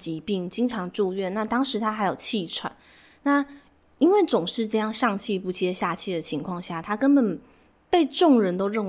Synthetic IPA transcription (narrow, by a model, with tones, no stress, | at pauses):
t͡ɕi˧˥pi˥˩ŋt͡ɕi˥ŋʈ͡ʂʰɑ˧˥ŋʈ͡ʂu˥˧ɥɛ˥˩nna˥˩t̪ɑ˥ŋʂɻ̩˧˥t̪ʰa˥xa˧ɪjo˨˩ʊt͡ɕʰi˥˩ʈ͡ʂʰwa̰˨˩˦n | na˥˩ | i˥nwe˥˩ɪt͡sʊ˨˩ŋʂɻ̩˥˧ʈ͡ʂɤ˥˧jɑ˥˧ŋʂɑ˥˧ŋt͡ɕʰi˥˧pu˧˥t͡ɕʰɛ˥˧ɕja˥˧t͡ɕʰi˥˩d̪ə˩t͡ɕʰi˧˥ŋkʰwɑ˥˧ŋɕja˥˩t̪ʰa˥kə˥npə˨˩n | pe˥˧ɪʈ͡ʂʊ˥˩ŋɻə˧˥nt̪o˥ʊɻə˥˩nw